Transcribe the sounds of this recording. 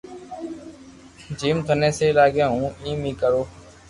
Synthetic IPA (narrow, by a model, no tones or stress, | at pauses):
d͡ʒiːmk̪ʰənẽːseːlaːɠãːɦũːĩːmiːkəɾoː